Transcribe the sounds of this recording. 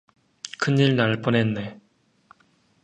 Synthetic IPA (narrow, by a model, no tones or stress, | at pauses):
kʰɯnːiɭnaɭp͈onenːe